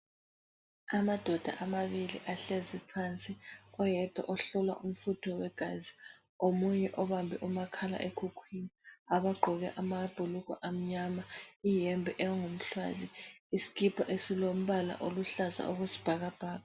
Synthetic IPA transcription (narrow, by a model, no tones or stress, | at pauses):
amad̥ʱɔd̥ʱa̰ʔamaβilḭʔaɬezipʰant͡sʼiɔjɛtʰʼɔ̰ʔɔɬɔlwa̰ʔum̩futʰɔwɛɡ̥ʱaːzi | omuɲɛʔɔβambʱɛʔumakʰala̰ʔekʰukʰwiniaβaɡ͡ǃʱɔɣɛ̰ʔamab̥ʱuluɣɔ̰ʔam̩ɲamaijɛmbʱɛʔɛwaŋom̩ɬwa̰ziisi̥kʰʼipʰaʔesilom̩βala̰ʔoluɬaza̰oɣusi̥b̥ʱaɣab̥ʱaːɣa